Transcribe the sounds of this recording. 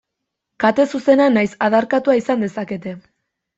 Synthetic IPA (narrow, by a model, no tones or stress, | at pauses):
kat̪e̞suse̞nanajsaðaɾkat̪uaisand̪e̞sake̞t̪e̞